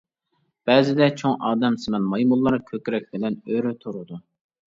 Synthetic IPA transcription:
b̥ɛːzɪd̪ɛt͡ʃʰoŋʔɑːd̪ɛmsɪmɛnmɑjmulˠːɑɾkʲʰøkʲɾɛk̚ʲbɪlɛnøɾyt̪ʰuɾud̪u

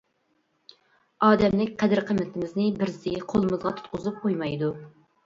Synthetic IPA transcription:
ɑːd̪ɛmlɪkʲqʰɛd̪ɪɾqʰəmːɪt̪ʰɪmɪznɪbɪɾzɪqʰolˠɨmɨzʁɑt̪ʰt̪̚qʰʊzɨp̚qʰojmɑjd̪u

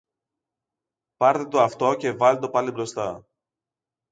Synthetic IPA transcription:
pɐɾt̪et̪oɐft̪o̞ce̞vɐlet̪o̞pɐlibɾo̞st̪ɐ

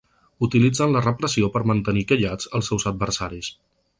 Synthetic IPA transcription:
ut̪ilid͡zənlərəpɾəsiopəɾmənt̪ənikəʎad͡zəlˠsɛwzəd̪̚bəɾsaɾis

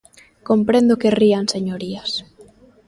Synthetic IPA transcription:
kompɾend̪okerianseɲoɾias

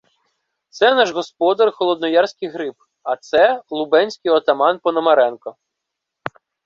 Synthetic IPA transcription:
t̪sɛnɑʒɦɔspɔd̪ɐrxɔlˠɔd̪̚nɔjɑrsʲkɪjɦɾɪp̚ | ɐt̪sɛlˠʊbɛnʲsʲkɪjɔt̪ɐmɑnpɔnɔmɐɾɛnkɔ

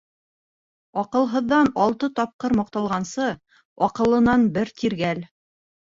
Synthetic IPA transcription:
ɒqɤ̆lˠɦɤ̆ðːɑnɒlˠt̪ɤt̪ɒp̚qɤɾmɑqt̪ɑlˠʁɑnsɤ | ɒqɤ̆lˠɤ̆nɑnbɘɾt̪ʰiɾɡæl

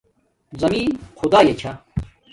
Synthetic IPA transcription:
zɐmiːnxʰud̪aːjet͡ɕʰa

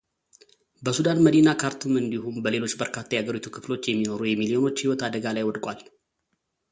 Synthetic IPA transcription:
bəsud̪anməd̪inakʰaɾt̪ʰumɨnd̪ihumbəle̞lo̞t͡ʃːbəɾkʰat̪ʰːajɛaɡəɾit̪ʰukʰɨflo̞t͡ʃːjɛmːino̞ɾujɛmilio̞no̞t͡ʃːhiwɔt̪ʰad̪əɡalajwɔd̪kʼal

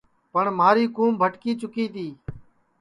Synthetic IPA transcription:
pəɳmaːɾiːkuːmbʱəʈkiːt͡ʃʊkiːt̪iː

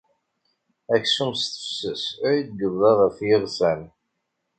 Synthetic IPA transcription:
æçsumst̪ə̥fsəsæɾid̪̚ɡəððˤɑʁəfjɪʁsæn

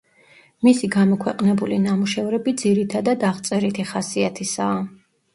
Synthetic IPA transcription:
misiɡamɔkʰwɛqʼnɛbulinamuʃɛvɾɛbid̪ziɾit̪ʰad̪ad̪aʁt̪sʼɛɾit̪ʰiχasiat̪ʰisaː

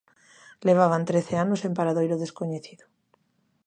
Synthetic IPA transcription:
leβ̞aβ̞ant̪ɾeθeanosempaɾaðojɾoðeskoɲeθiðo

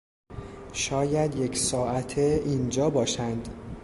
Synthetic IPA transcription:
ʃɒːjæd̪jecʰsɒːʔæt̪ʰeʔind͡ʒɒːbɒːʃænd̪

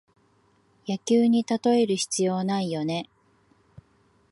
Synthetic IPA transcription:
jakʲɨːɲ̟it̪at̪o̞e̞ɾɯ̟çi̥t͡sɨjo̞ːnaijo̞ne̞

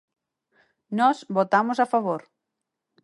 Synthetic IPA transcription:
nɔsβot̪amʊsafaβ̞oɾ

